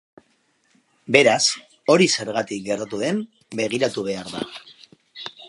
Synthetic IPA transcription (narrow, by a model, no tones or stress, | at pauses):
be̞ɾas | o̞ɾise̞ɾɣat̪ik̚ɡe̞ɾt̪at̪uðe̞m | be̞ɣ̞iɾat̪uβ̞e̞aɾða̰